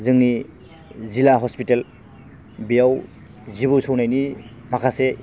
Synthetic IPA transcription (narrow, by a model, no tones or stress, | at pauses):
zɯŋni | zilaɦɔspitel | bijaw | zibusɔwnajnimakʰase